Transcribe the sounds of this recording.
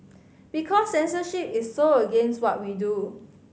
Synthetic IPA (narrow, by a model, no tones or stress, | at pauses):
bikʰɔsːɛ̃nsəʃipisːoəɡẽnst̚wɔt̚widu